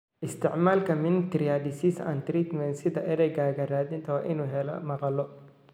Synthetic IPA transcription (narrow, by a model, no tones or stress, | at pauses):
ʔɪst̪ʰɪʕmaːlkʰɐmɪnɪt̪ɾijadɪsisa̰ːnt̪ɾit̪mɛnsɪðɐʔɛɾɛɡaːɣɐɾaːðɪnt̪ʰɐʔɪnuːɦɛl̰mɑqɑlɔ